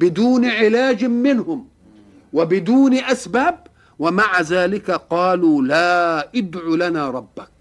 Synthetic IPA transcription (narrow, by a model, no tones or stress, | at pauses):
bɪd̪uːnʕɪlaːd͡ʒmɪnhʊm | wɪbɪd̪uːnʔasbaːb̚ | wɪmaʕazaːlɪkaqɑːluːlaːʔɪd̪ʕulanaːɾˤɑbːak̚